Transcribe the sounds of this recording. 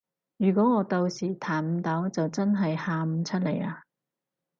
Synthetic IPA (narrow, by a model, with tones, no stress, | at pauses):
jyː˨˩kʷɔː˨˥ŋɔː˨˧t̪o˧wsiː˨˩t̪ʰaː˨˩nm̩˧t̪ɐ˨˥wt͡sɐ˨wt͡sɐ˥nɦɐ˨jhaː˧m̩˨˧t͡sʰɐ˥t̚le˨˩jaː˧